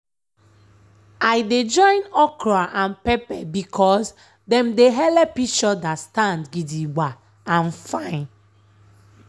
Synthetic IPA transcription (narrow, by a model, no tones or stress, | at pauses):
ajded͡ʒɔ̃ɪ̃nɔkɹaʔãnpɛpɛbikʰɔs | dɛ̃mdeɦɛlɛpit͡ʃɔdastãndɡidiɡ͡ba | ãnfãɪ̃n